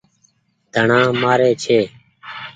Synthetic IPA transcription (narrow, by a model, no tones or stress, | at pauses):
d̪ʱəɳãːmaːɾeːt͡ʃʰeː